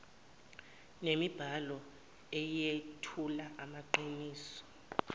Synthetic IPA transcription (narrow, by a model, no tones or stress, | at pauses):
nemib̥ʱalɔ | ɛjetʰulaʔamaǃiniːsɔ̥